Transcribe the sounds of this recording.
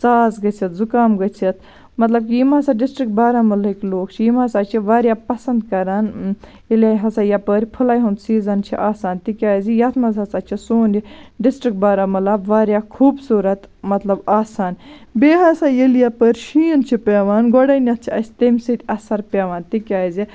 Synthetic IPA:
saːzɡɐt͡sʰit̪zukaːmɡɐt͡sʰit̪̚ʰ | mɐt̪lɐb̚kʲjimaːsaɖisʈɾik̚ʈ̚baːɾamɐlikʲloːkt͡ʃʰijimɐsaːt͡ʃʰiʋaːɾʲjapɐsɐnd̪kɐɾan | eljaːɦɐsajapəɾʲpʰulaːjɦund̪siːzɐnt͡ʃʰḭʔaːsaːnt̪ikʲaːzijɐt̪ʰmɐzɐsat͡ʃʰisoːniɖisʈɾik̚ʈ̚baːɾaːmɐlabʋaːɾʲjaːkʰuːbsuːɾɐt̪mɐt̪lɐbaːsaːn | beːɦɐsajeljapəɾʲʃiːnt͡ʃʰipʲeːʋaːnɡoɽɐjnʲɐt̪̚t͡ʃʰiɐsʲt̪emʲsɨt̪ʲɐsɐɾpʲeːʋaːnt̪ikʲaːzi

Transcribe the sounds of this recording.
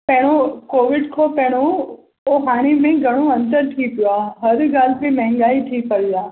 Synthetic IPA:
pɐ̃ɦɪɽ̃okoːʋɪɖkʰopɐ̃ɦɪɽ̃o | oɦaːɽ̃emẽɡʱɐɽ̃oɐ̃nt̪əɾʈʰiːkjuaːɦɐɾɡaːl̤pẽmɛ̃ɦɪ̃ŋ̆ɡaːiʈʰiːkpɐʋiaː

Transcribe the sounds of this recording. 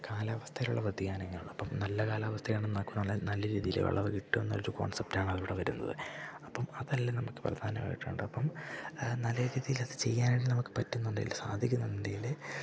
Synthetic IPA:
kaːlaːʋɐst̪ʰɐjiluɭːɐʋɐd̪ʱikʲːaːneŋːɐluɭːɨɐpːɐmnɐlːɐkaːlaːʋɐst̪ʰɐjeːɳenːɐmkːɨnɐlːɐnɐlːɐɾiːðijilḛʋɐ̰ɭːɐrɨkiʈːumenːɐɐɾuko̞̰ːɳsep̚taːɳɨɐðiʋiɽeʋɐɾunːɐ̰ðɨ̰ɐpːɐmɐðɐlːɐnɐmukːɨ̥prɐ̰d̪ʱaːnɐma̰ːjiʈːṵːɳɖɨɐpːɐmnɐlːɐɾiːðijilɐðɨt͡ɕe̞jːaːneːɳɖinɐmukːɨ̥pɐtːunːuɳɖḛjilːsaːd̪ʱikʲːunːɐðindejil

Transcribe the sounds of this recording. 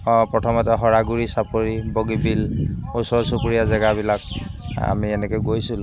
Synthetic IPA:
pɹɔtʰɔmɔtɛɦɔɹaɡuɹisapoɹiboɡibilusɔɹsupuɹijazɛɡabilak̚a̰miɛnɛkojɡojsul

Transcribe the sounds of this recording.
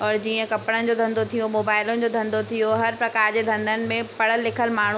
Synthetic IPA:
ɔːɾd͡ʑiːə̃kɐpɽənɪ̆d͡ʑod̪ʱɐ̃nd̪ot̪ʰijomoːbaːɪlõd͡ʑoːd̪ʱɐ̃nd̪ot̪ʰijoɦɐɾpɾɐkaːɾd͡ʑed̪ʱɐ̃nd̪ʱənɪ̆mẽppɐɽ̤əlːɪkʰəlmaːɳ̤̃u

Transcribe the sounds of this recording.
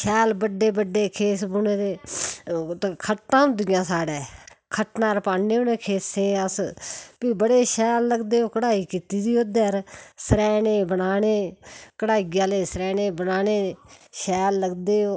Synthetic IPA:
ʃɛːlbəɖeːbəɖːeːkʰeːsbuneːd̪eː | t̪ːkʰəʈːãːʊd̪ɪːjãːsaːɖɛːkʰəʈnãːɾpaːneːoneːkʰeːsẽːəspiːbəɽeːʃɛːlːəɡd̪eːoːkəɽaːiːkiːt̪iːd̪iːoːd̪eɾsəɾɛːneːbənaːneːkəɽaːɪɡaːleːsəɾɛːneːbənaːneːʃɛːlːəɡd̪eːoː

